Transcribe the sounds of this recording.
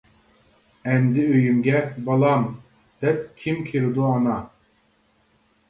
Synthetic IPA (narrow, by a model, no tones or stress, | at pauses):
ɛmd̪ɪøjymɡʲɛbɑlˠɑm | d̪̥ɛp̚kʲʰimkʲʰiɾd̪uɑnɑ